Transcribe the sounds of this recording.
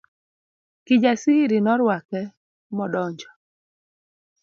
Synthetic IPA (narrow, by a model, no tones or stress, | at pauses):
kɪd͡ʒasiɾinɔɾwakɛ | mɔdɔɲd͡ʒɔ̥